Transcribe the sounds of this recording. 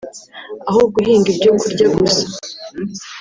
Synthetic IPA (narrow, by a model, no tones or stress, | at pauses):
aɦuɡuɦiːŋɡibɟuːŋkuɾɟaɡusḁ